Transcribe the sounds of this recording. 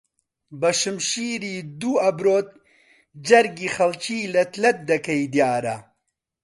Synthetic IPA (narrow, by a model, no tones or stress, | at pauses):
bɐʃɨmʃiːɾiːd̪uːɐbɾoːt̪̚ | d͡ʒɐɾɡiːxɐlt͡ʃiːlɐt̪ʰlɐt̪̚d̪ɐkɐjd̪jaːɾɐ